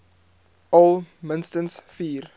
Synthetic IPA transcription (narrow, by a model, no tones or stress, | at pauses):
ʔɔlˠmənstənsfiːr